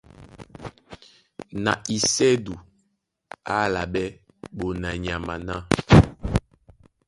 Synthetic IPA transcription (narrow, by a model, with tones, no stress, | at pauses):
na˨i˨sɛ˦du˨ | a˦˨la˨bɛ˦ | bo˨na˨ɲ˨a˨ma˨na˦